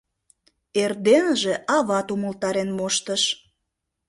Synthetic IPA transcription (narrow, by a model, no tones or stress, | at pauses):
erd̪enəʒeʔɑβɑt̪uməlt̪ɑɾenmoʃt̪əʃ